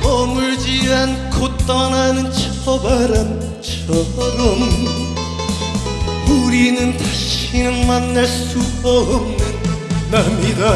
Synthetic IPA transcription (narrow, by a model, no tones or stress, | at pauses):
mʌŋuɭd͡ʑiankʰot͈ʌnanɯnt͡ɕʰʌbaɾan | t͡ɕʰʌ | ɾʌm | uɾinɯntḁɕʰinɯnmanːaɭs͈u | ʌm | namɲida